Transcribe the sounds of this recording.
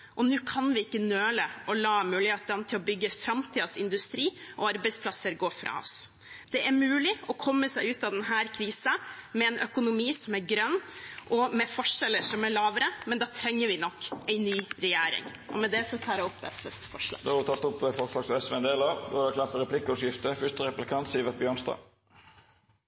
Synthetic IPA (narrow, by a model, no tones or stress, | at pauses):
ʔɔnʉːkʰɑnʋɪɪkːənøːləɔlɑːmʉːlɪheːt̪ɛnt̪ʰɪlɔbʏɡːəfɾɑmt̪ʰiːd̪ɑsɪ̰nd̪ʉst̪ɾiːɔɑɾbɛɪspʰlɑsːəɾɡoːfɾɑ̰ːɔ̰s | d̪̥ɛʔæɾmʉːlɪɔkʰɔmːəsæɪʉːt̪ɑd̪ɛnɦæːɾkʰɾiːsəmɛɛnʔœkʊnʊmiːsɔmæɾɡɾœnːʔɔmɛfɔʂɛlːəʂɔmæɭɑːʋəɾəmɛnd̪ɑːt̪ʰɾɛŋːəɾʋɪnɔkːæɪnyːɾɛjeːɾɪ̰ŋ | ʔɔ̰mɛd̪ɛsɔt̪ʰɑːɾɛɔpːɛ̰sʋɛ̰st̪fɔʂlɑ̰ːd̪oːhɑɾɪt̪ʰɑlt̪ɔpʋɛfɔɾʂlɑːɡsɔɛsʋɛnd̪eːlɑɾd̪o̰ːhɑd̪ɛkʰlɑt̪əɾɛpʰlɪkːɔsjɪft̪əfʏʂt̪əɾɛplɪkʰɑnt̪siːʋɛt̪̚bjøːnst̪ɑ̰ː